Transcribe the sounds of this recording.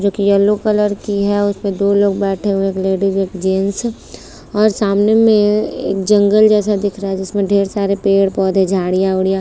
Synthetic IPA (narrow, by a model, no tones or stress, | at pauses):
d͡ʒoːkijɐlːokɐləɾkiɦɛʊsmẽd̪oːloːɡ̚bɛːʈʰeɦũeeːkleːɖɪd͡ʒeːkd͡ʒeːns | ɔːɾsaːmnemẽḛːk̚d͡ʒɐ̃ŋɡəld͡ʒɛːsad̪ɪkʰɾaɦɛd͡ʒɪsmẽɖʱeːɾsaːɾepeːɽpɔːd̪ʱed͡ʒʱaːɽijaʊɽija